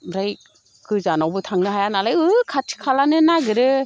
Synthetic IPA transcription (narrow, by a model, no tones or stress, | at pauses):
ɾaj | kɯzanawbɯtʰaŋnɯɦajanalajɯkʰatʰi̥kʰalanɯnaɡɯɾɯ